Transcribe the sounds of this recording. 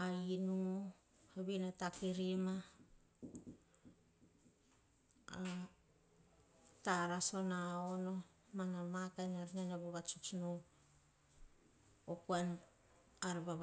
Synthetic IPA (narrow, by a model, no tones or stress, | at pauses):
ainuŋu | haβinatakiɾima | a | taɾaso̞naono̞ | manamakanaɾinanaβoɡat͡ʃut͡ʃno | okuan | aɾbaβa